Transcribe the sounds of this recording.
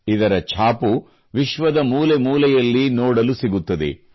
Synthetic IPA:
id̪ɐɾɐt͡ʃʰaːpu | ʋiʃʋɐd̪ɐmuːlemuːlɛjɐlːinoːɽɐlusiɡut̪ːɐd̪e̞̰

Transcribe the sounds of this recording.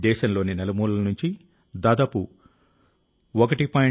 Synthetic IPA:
d̪ɛːʃɐmlo̞ːninɛlɐmuːlɐɐnuɲt͡ʃi | d̪aːd̪aːpu | ɔkɐʈipaːj

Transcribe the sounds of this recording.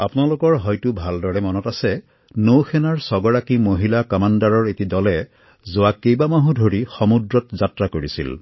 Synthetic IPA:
apʊnalʊkɔɹɦɔjtubʱaldɔɹɛmɔnɔtasɛ | nowxʰɛnaɹsɔɡɔɹakimoɦilakɔmandaɹɔɹetidɔlɛ | zʊwakejbamaɦũdʱoɹixɔmudɹɔtzatɹakoɹisḭl

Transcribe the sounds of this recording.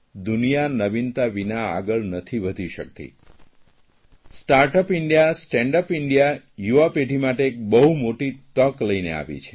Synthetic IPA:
d̪unijanəʋint̪aʋinaa̰ɡəɭnət̪ʰiʋəd̪ʱiʃək̚t̪ḭ | sʈaɾʈəpɪɳɖijasʈɛɳɖəpɪɳɖija | juapeʈimaʈeːk̚bəɦumoʈit̪əkləinḛa̰ʋḭt͡ʃʰe̥

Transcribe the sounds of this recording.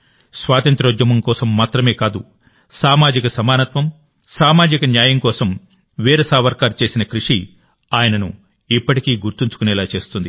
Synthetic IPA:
sʋaːt̪ɐnt̪ɾɐd͡ʒɐmɐmkɔːsɐmːaːt̪ɾɐme̞ːkaːd̪ṵ | saːmaːd͡ʒikɐsɐmaːnɐt̪ʋɐm | saːmaːd͡ʒikɐnjaːjɐmkɔːsɐm | ʋiːɾɐsaːʋɐɾkaːɾt͡ʃe̞ːsinɐkɾuʂi | aːjɐnɐnu | ipːɐʈikiːɡuɾt̪iɲt͡ʃu̥kunɛːlaːt͡ʃe̞ːst̪und̪i

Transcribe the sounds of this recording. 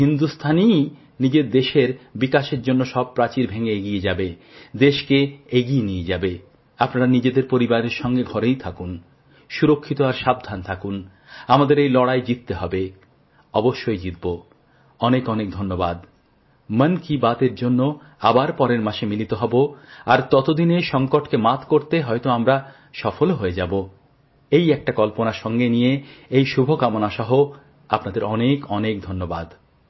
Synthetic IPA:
ɦind̪ust̪ʰanij | nid͡ʑeɾd̪eʃeɾbikaʃeɾd͡ʑonːoʃɔb̚pɾat͡ɕiɾbʱeŋeeɡijed͡ʑabe | d̪eʃkeeɡijenijed͡ʑabe | apnaɾanid͡ʑed̪eɾpoɾibaɾeɾʃɔŋɡeɡʱɔɾejt̪ʰakun | ʃuɾokʰːit̪oaɾʃab̚d̪ʱant̪ʰakun | amad̪eɾejlɔɽajd͡ʑit̪ːeɦɔbe | ɔboʃːojd͡ʑit̪̚bo | ɔnekɔnek̚d̪ʱonːobad̪ | mənkibat̪eɾd͡ʑonːo | abaɾpɔɾeɾmaʃemilit̪oɦɔboaɾt̪ɔt̪od̪ineʃɔŋkoʈkemat̪ʰkoɾt̪eɦɔjt̪oamɾa | ʃɔfolɦoed͡ʑabo | ejɛk̚ʈakɔlponaɾʃɔŋɡenijeejʃubʱokamonaʃɔɦo | apnad̪eɾɔnekɔnekd̪ʱonːoba̰d̪

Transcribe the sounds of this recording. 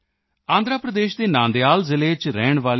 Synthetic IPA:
ãːnd̪ɾaːpɾəd̪eːʃd̪eːnãːnd̪eaːlzɪleːt͡ʃɾɛːɳʋaːl

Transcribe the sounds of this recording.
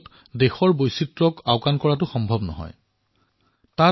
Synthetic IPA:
t | dexɔɹbojsitɹɔkaʊkankɔɹatʊxɔmbʱɔbnɔ̰ɦɔ̰j | ta

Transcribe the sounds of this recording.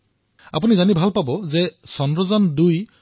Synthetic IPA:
a̰punizanibʱalpabɔzesɔnɹɔzɔnduj

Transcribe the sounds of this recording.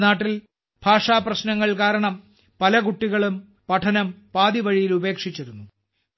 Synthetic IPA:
naːʈːil | b̥ʱaːʂaːprɐɕnɐŋːɐɭkaːɾɐɳɐm | pɐlɐkuʈːiɣɐɭum | pɐʈʰɐnɐmpaːðiʋɐɻijilube̞ːkʂit͡ɕːɐɾunːu

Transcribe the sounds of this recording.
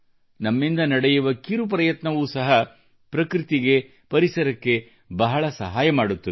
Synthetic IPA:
nɐmːind̪ɐnɐɽejuʋɐkiɾup̬ɾɐjɐt̪nɐʋuːsɐɦɐ | pɾɐkɾit̪iɡe̞ | pɐɾisɐɾɐkːe̞ | bɐɦɐɭɐsɐɦaːjɐmaːɽut̪ːɐ

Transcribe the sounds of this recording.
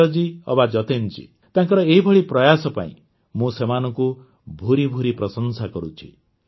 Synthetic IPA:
ɔd͡ʒiɔbad͡ʒɔt̪ent͡ʃḭ | t̪ãŋkɔɾɔeɦibʱɔɭipɾɔjasɔpa̰ḭ̃ | mũsemanɔŋku | bʱuɾibʱuɾipɾɔsɔnsakɔɾut͡ʃʰḭ

